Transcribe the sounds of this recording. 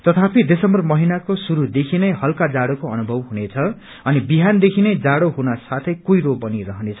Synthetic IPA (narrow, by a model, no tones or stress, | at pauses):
t̪ʌt̪ʰapid̪esʌmbʌrmʌɦinakosuɾud̪ekʰinʌjɦʌlkad͡zaɽokoʌnubʱʌbɦunet͡sʰʌ | ʌnibiɦand̪ekʰinʌjd͡zaɽoɦunʌsat̪ʰʌjkujɾobʌnirʌɦʌnet͡sʰʌ